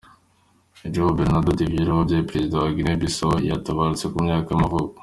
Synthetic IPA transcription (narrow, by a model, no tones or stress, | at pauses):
ed͡ʒoβobeɾnadotivjiɾoobjeepɾezidawaɡinebisojataβaɾut͡se̞kumɲaːkamavoko̥